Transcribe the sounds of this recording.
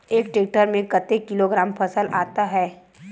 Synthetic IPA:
eːkʈeːk̚ʈəɾmẽkət̪ekɪloɡɾaːmpʰɐsəlʔaːt̪aɦɛː

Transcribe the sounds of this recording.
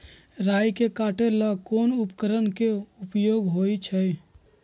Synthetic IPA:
ɾaːjkekaːʈelakoːnʊpkəɾənkeʊpjoːɡɦoːit͡ʃʰəi

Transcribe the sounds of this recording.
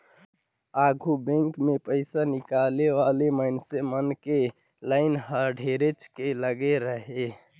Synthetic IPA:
aɡʱubɛ̃ŋkmepəɪsanikaleʋaleməɪnsemənke | laɪnɦəɾɖʱeɾet͡ʃkeləɡeɾəɦe

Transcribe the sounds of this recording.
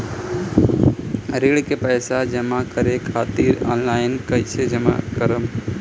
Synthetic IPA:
ɾeːɽkepəːsad͡ʒəmakəɾekʰaːt̪iɾɔːnlaːɪnkəɪt͡ʃʰed͡ʒəma̰kəɾəm

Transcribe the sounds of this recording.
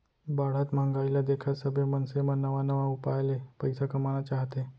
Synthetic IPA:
baɽ̤at̪m̤ãŋɡajlad̪ekʰasəbemənsemənəʋanəʋaupajlepəjsakəmañat͡ɕaɦt̪e

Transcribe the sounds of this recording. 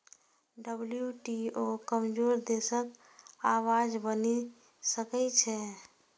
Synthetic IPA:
ɖəbljuʈiokəmd͡ʒoɾd̪esək | awad͡ʒbəni | səkɛt͡ʃʰɛ

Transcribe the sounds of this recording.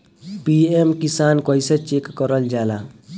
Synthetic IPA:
piemkisaːnkɔiset͡ʃekːɔɾəld͡ʒaːla

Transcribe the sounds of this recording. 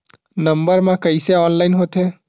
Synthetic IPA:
nəmbəɾmãkəiseɔːnlainɦot̪ʰe

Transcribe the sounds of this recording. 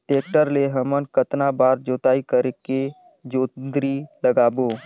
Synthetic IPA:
ʈeːk̚ʈəɾleɦəmənkət̪nabaːɾd͡ʒoːt̪aːikəɾeke | d͡ʒoːd̪ɾiləɡaːboː

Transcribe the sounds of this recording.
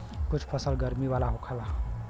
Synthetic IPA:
kʊt͡ʃʰpʰəsəlɡəɾmiʋaːlaɦokʰala

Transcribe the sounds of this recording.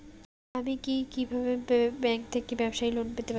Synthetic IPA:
amikikibʱabebbɛŋk̚t̪ʰekibɛbʃajlonpet̪epa

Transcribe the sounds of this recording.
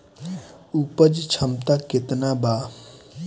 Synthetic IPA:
upəd͡ʒt͡ʃʰəmt̪aket̪naba

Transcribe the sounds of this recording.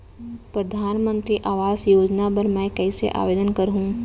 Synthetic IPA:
pɾɐd̪ʱaːnmə̃nt̪ɾiʔaːʋaːzjoːd͡ʒnapɐɾmɛ̃ːkɛɪsḛʔa̰ːʋeːd̪ənkɐɾɦũː

